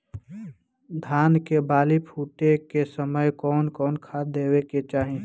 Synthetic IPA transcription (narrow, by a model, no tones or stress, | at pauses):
d̪ʱaːnkebaːlipʰuːʈekesəməjkɔːnkɔːnkʰad̪eːweket͡ʃaːɦĩ